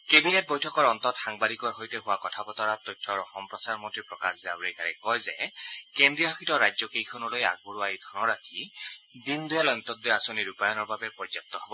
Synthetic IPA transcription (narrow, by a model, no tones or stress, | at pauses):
kebinet̚bɔjtʰɔkɔɹɔnt̪ɔtxaŋbadikɔɹɦojtɛɦʊwakɔtʰapɔt̪ɔɹat̪ɔjtʰːɔɹɔxɔmpɹɔsaɹmɔntɹipɹɔkaxzɛa̰bɹejkaɹɛkɔjzɛkendɹiaakʰitɔɹajzɔkejkʰɔnɔloja̰ɡ̚buɹuaid̪ʱɔnɔɹatʰi | d̪ind̪ujalɔjɔnt̪ɔd̪ɔasoniɹupajɔnɔɹbabɛpɹɔzɔp̚t̪ːɔɦɔbɔ